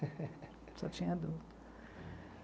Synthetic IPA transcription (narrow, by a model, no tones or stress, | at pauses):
sɔt͡ʃĩɲɐd̪ud̪